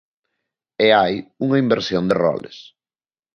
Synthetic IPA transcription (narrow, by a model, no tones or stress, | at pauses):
eajuŋɐimbeɾsjond̪erɔ̰lḛs